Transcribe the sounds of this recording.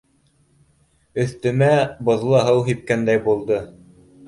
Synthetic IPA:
ɵ̆θt̪ɘ̆mæbŏðlˠɤɦɤwɦip̚kænd̪æjbulˠd̪ɤ

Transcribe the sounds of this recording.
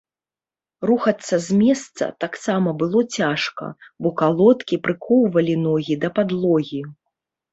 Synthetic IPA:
ruxɐt̪sːɐzʲmʲɛst̪sɐ̰t̪aksamɐbɨlˠɔt͡sʲaʂkɐ̰bɔkalˠɔt̪kʲipɾɨkʰɔwvɐlʲinɔɣʲid̪ɐpad̪lˠɔɣʲi

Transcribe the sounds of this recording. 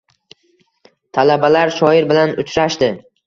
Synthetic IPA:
t̪ʰalabalaɾʃɒɪɾbɪlanʊt͡ʃʰɾaʃd̪ɪ

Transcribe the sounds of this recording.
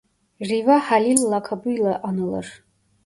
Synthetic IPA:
rivaħalilːakʰabujlaʔanɨla̰r

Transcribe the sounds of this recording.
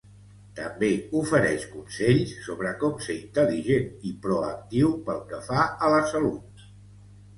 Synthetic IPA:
t̪əmbeufəɾɛʃkunsɛʎsːoβɾəkɔmsəint̪əliʒenipɾɔə̰k̚t̪iwpəlˠkəfaələsəlut̪̚

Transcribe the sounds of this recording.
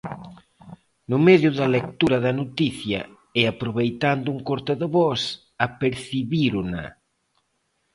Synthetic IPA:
nʊmeðjʊðɐlek̚t̪uɾɐðɐnot̪iθjɐ̰ | ɛapɾoβejt̪and̪ʊuŋkoɾt̪aðɪβɔs | apeɾθiβiɾuna̰

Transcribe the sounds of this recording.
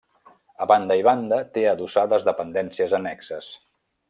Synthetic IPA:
əβand̪əiβand̪ət̪eəðusaðəzðəpənd̪ɛnsiəzənɛksəs

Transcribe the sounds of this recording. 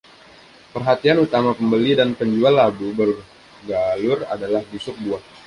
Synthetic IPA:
pərɦat̪ianut̪amapəmbəlidanpəɲd͡ʒualːabubə | ɡalʊra̰dalahbusʊk̚buah

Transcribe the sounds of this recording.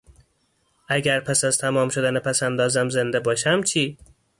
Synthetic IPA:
æɡæɾpʰæsæzt̪ʰæmɒːmʃod̪ænepʰæsænd̪ɒːzæmzend̪æbɒːʃæmt͡ʃʰiː

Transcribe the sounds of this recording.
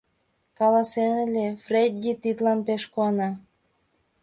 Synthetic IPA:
kɑlɑsenelʲefred̪ʲːit̪it̪lɑnpeʃkoɑnɑ

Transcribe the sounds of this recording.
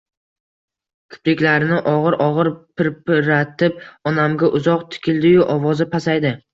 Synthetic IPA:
kʲʰʊ̥plɪkʲlaɾɪnɪʔɒʁɨɾɒʁɨɾpʰɪɾpɪɾat̪ʰɪp̚ɒnamɡʲaʔʊzɒqt̪ʰɪ̥kʲʰɪld̪ɪjʊʔɒvɒzɪpʰasajd̪ɪ

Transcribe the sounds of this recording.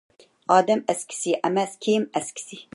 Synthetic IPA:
ʔɑːd̪ɛmɛskʰi̥siʔɐmɛskʰeːmɛskʰi̥si

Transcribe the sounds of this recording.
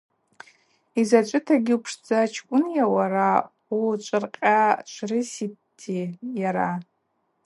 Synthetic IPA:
izat͡ʃʷʼɨtʰaɡʲɪupʰʂd͡zat͡ʃʰkʷʼʊnjawaɾa | ut͡ʃʷʼɨrqʲʼat͡ʃʷʰrɨsittʰːijaɾa

